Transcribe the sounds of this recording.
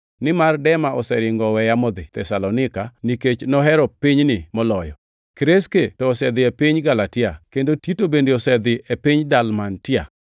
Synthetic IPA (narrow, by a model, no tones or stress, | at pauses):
nɪmardɛmaʔɔsɛɾɪŋɡɔwɛjamɔd̪ɪt̪ɛsalɔnɪkaniket͡ʃnɔɦɛɾɔpɪɲnɪmɔlɔjɔ̰ | kɾesketɔːsɛd̪ɪepiɲɡalatɪakendotitobendeɔsɛd̪ɪepiɲdalmantɪa̰